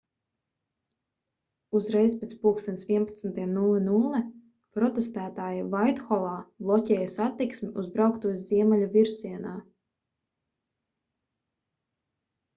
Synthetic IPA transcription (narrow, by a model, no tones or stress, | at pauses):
uzɾɛjspʲet̪spuːkst̪ʲɛnt̪sviɛpḁt̪snt̪iɛmnulˠinulˠɛ | pɾɔt̪ɛst̪æːt̪aːjivajt̪xɔlˠaːblˠɔcʲɛːjasat̪ːiksmiuzbɾawkt̪uɔjzʲiɛmɛlʲuviɾsiɛnaː